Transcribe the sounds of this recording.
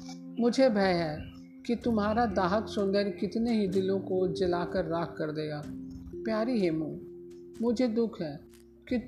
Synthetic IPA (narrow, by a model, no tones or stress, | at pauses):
mʊd͡ʒʱebʱɛːɦɛː | kit̪ʊmɦaːɾad̪aːɦəksʊ̃nd̪əɾkɪt̪neɦid̪ɪlõkod͡ʒɐlaːkəɾːaːkkːɐɾd̪eːaːpjaːɾiɦeːmũːmʊd͡ʒʱed̪ʊkʰɦɛː | ki